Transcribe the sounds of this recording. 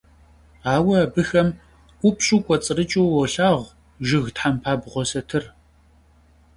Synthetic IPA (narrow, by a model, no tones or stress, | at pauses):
aːwɐabɨxɐm | ʔʷʊpɕʼuːkʷʼɔt͡sʼɨrɨt͡ʃʼuwwɔɬaːʁ | ʒɪɣtħampʰaːbʁʷɔsɐtʰɨr